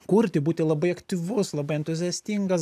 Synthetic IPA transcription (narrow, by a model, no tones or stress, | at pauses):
kʊɾʲt̪ʲɪbuːt̪ʲɪlˠɐbɐɪɐkt̪ʲiʋʊslˠɐbɐɪɛnʲt̪ʊzʲɛːsʲt̪ʲiŋɡɐs